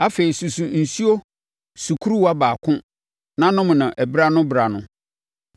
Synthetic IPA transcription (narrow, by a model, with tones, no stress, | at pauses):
a˦fe˨i˨su˨su˨n̩˨su˦o˦ | su˨kʰu˦ɾu˦wa˦baː˨kʰʊ̃˦ | nã˦nʊ̃˦m̃˨nã˨ʔæ˨bɾa˦nʊ̃˦bɾa˨nʊ̰̃˨